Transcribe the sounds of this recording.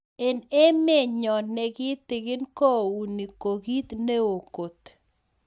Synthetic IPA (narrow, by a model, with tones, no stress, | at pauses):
e˨ne˦me˦˨ɲɔ˨nɛ˨ɡi˦t̪ːɪ˨ɡɪ˦nkɔ˦˨u˨ni˨ko˨ɡi˦t̪ne˦o˨ko˨t̪